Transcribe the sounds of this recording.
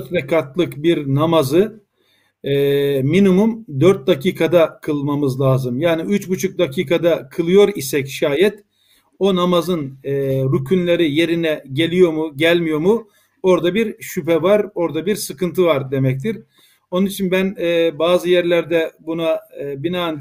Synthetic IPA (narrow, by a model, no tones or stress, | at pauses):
døɾt̪ɾɛkʰat̪lˠɯkbiɾnamazɯ | ɛːminimumd̪øɾt̪̚d̪acʰiːkʰad̪akʰɯlˠmamɯzlˠaːzɯmjaːniyt͡ʃbut͡ʃʰuk̚d̪acʰiːkʰad̪akʰɯlˠɯjo̞ɾisɛcʃaːjɛt̪ | o̞namazɯnːɾycʰynlʲe̞ɾije̞ɾinɛɟe̞lʲijo̞muɟælʲmijo̞ɾmu | o̞ɾd̪abiɾʃypɛvaɾo̞ɾd̪abiɾsɯkɯnt̪ʰɯvaɾd̪e̞mɛc̚t̪ʰiɾ | o̞nunit͡ʃʰinbænɛːbaːzɯjæɾlʲæɾd̪ɛbunabinaːn